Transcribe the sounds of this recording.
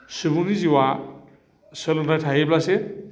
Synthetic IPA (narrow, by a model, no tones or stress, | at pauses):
subuniziwa | sɔlɔajtʰajeblase